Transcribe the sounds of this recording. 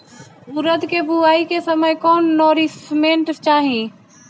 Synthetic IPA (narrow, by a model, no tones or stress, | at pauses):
ʊɾəd̪kebʱuaːikesəməjkɔːnːɔːɾismẽːɳʈt͡ʃaːɦĩ